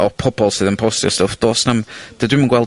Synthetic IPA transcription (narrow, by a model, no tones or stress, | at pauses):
ʔɔpʰɔbɔlˠsɨðənpʰɔstjɔ̰stəfd̪̥oːsnəmd̥ədɪmənɡwɛlˠ